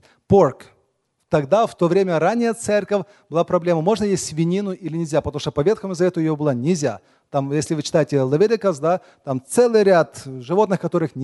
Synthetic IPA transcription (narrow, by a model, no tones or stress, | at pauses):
pork | t̪ɐɡd̪aft̪ovɾʲemʲəɾanʲːɪjət̪sɛrkəfʲ | b̥ɨlˠapɾɐblʲeməmo̞ʐnəjesʲtʲsʲvʲɪnʲinʊʔilʲɪnʲɪlʲzʲapət̪əɐmuʂt̪opɐvʲe̞t̪xəmʊzɐvʲet̪ʊjɪjobɨlˠanʲɪzʲa̰ | t̪amjesʲlʲɪvɨt͡ɕɪ̥t̪ajɪtʲɪlˠɐvʲeɾʲɪkəsd̪a | t̪amt̪sɛlˠɨjɾʲat̪ʐɨvo̞t̪nɨxkɐt̪o̞ɾɨxnʲ